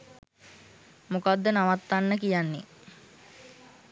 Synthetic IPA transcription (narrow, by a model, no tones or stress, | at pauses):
mokad̪ːənaʋat̪ːanːəkijanːḛ